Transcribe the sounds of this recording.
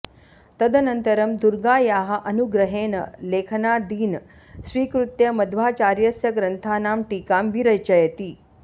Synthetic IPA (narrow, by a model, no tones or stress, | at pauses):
t̪əd̪ənənt̪əɾəmd̪uɾɡaːjaːɦɐʔɐnuɡɾəɦeːnəlekʰənad̪iːn | sʋiːkɾut̪jɐmɐd̪ʱʋaːt͡ɕaːɾjəsjɐɡɾənt̪ʰanaːmʈiːkambiɾəjt͡ɕəjət̪iː